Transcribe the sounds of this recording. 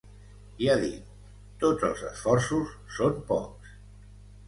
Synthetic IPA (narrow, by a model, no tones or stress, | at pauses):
iaðit̪ | t̪ːodd͡zə̰lˠzə̰sfɔrsusːompɔ̰ks